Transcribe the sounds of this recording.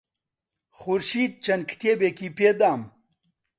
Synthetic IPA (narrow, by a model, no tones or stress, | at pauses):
xuɾʃiːd̪̚t͡ʃɐnkʰt̪ʰeːbekipeːd̪aːm